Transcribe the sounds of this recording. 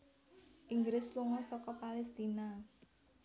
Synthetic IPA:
ʔiŋɡɾɪsluŋɔsɔkɔpalɛst̪ina

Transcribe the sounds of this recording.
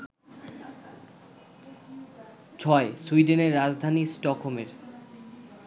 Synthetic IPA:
t͡ɕʰɔesuiɖeneɾːad͡ʑd̪ʱanisʈɔkʰomeɾ

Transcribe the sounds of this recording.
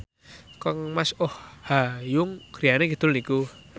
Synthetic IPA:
kɔŋmasɔhhajʊŋɡ̥ɾijaneɡ̥id̪̥ʊ̤lniku

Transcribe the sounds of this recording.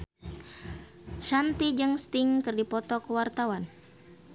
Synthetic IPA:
ʃant̪id͡ʒɨŋst̪iŋkɨrdipɔt̪ɔkəwart̪awan

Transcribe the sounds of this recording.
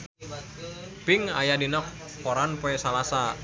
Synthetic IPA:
piŋa̰jadinɔk̚ | pɔɾanpoɛsalasa

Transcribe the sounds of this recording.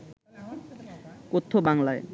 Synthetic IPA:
kot̪ʰːobaŋlae

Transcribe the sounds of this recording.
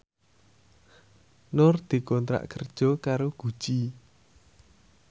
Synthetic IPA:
nʊrd̪̥i̤kɔnt̪ɾa̰ʔkərd̥ʒ̥ɔ̤kaɾoɡ̥u̥ʒ̥i

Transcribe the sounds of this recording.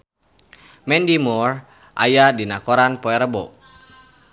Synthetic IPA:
mɛndimɔr | ʔa̰jadinakɔɾanpɔɛɾəbɔ̰

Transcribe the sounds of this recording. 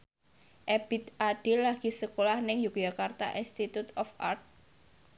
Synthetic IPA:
ʔeb̥it̪ʔaɖ̥ɪlːaɡ̥i̤səkolahnɪŋjukjakart̪a̰ʔinst̪it̪ut̪ɔfʔart̪̚

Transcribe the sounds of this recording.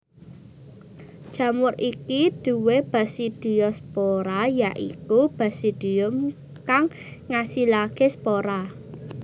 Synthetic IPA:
ʒ̥ä̤mʊɾikid̪̥ṳweb̥a̤sid̪̥i̤jɔspoɾajaʔḭkub̥a̤sid̪̥i̤ʊm | kaŋː | asilaɡ̥espoɾa

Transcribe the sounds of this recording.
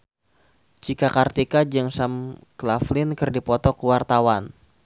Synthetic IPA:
d͡ʒikakart̪ikad͡ʒɨŋsamklaflɪnkɨrdipɔt̪ɔkuwart̪awan

